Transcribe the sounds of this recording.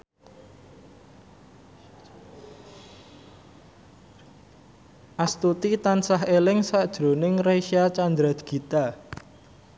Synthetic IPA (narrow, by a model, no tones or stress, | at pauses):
ʔast̪ut̪it̪ansaɦelɪŋsaʔd̥ʒ̥ɾo̤nɪŋreʃiat͡ʃand̪ɾad̪̥ɡ̥i̤t̪a